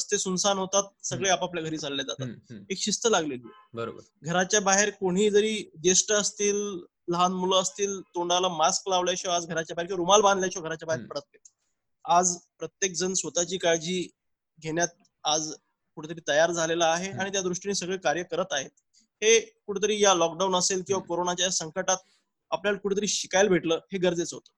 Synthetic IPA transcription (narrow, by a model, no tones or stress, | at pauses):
st̪esunsanɦot̪at̪̚səɡɭeapapljaɡʱəɾiːd͡zʱalled͡za̰t̪at̪ekɕist̪əlaɡleliː | bəɾo̰bəɾɡʱəɾat͡ɕjabaɦeɾkoɽ̤̃iːd͡zəɾiːd̪esʈəəst̪iːl | ləɦanmuləəst̪iːlt̪oɳɖalamasklaʋljajɕɔad͡zɡʱəɾat͡ɕjabaɦeɾkeɾumalbãnd̪ljaɕɔɡʱəɾat͡ɕjabaɦeɾpəɽ̤ət̪ːet̪ | ad͡zpɾət̪jek̚d͡zənsʋət̪at͡ɕiːkaɾd͡ʑiː | ɡʱeɳjat̪̚ | ad͡z | kuʈʰət̪əɾiːt̪əjaɾd͡zʱalelaːɦeaɽ̃it̪̬jad̪ɾuʂʈiniːsəɡɭeːkaɾjəkəɾət̪aɦet̪̚ | hekuʈʰət̪̬əɾiːjalɔkɖaunəselkĩw̃ʋakoɾonat͡ɕjasəŋkəʈat̪̚ | apljaləkuʈɽ̤ʰət̪əɾiːɕikajlbʱeʈləːheɡəɾd͡zet͡sɦo̰t̪ə̥ː